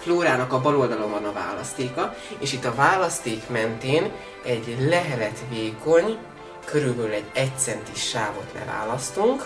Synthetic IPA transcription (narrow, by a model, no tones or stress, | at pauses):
floːɾaːnɒkɒbɒlo̞ld̪ɒlo̞mɒnɒva̰ːlɒ̰st̪eːkɒ | eːʃit̪ːɒvaːlɒst̪eːkmɛnt̪eːn | ɛɟlɛɦɛlɛt̪veːko̞ɲ | kʰøɾylbɛlylɛɟːɛct̪sɛnt̪iʃːaːvo̞t̪lɛ̰va̰ːlɒst̪uŋk